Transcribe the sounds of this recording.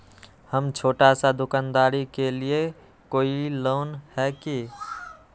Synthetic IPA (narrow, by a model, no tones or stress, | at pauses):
həmt͡ʃʰoːʈasad̪ukand̪aɾikelie | koːilonhɛki